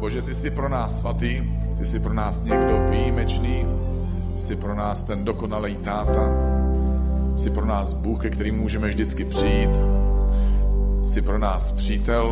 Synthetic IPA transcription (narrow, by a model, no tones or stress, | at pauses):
b̥o̞ʒɛt̪ɪsɪpɾo̞naːsːvat̪iː | t̪ɪsɪpɾo̞naːsɲɛɡdo̞vijimɛt͡ʃniː | sɪpɾo̞naːst̪ɛndo̞ko̞nalɛjt̪aːt̪a | ɪsɪpɾonaːsbuːxkɛkt̪ɛɾiːmːuːʒɛmɛvʒdɪt͡skɪpr̝̥ɪjiːt̪ | sɪpɾo̞naːspr̝̥iːt̪ɛl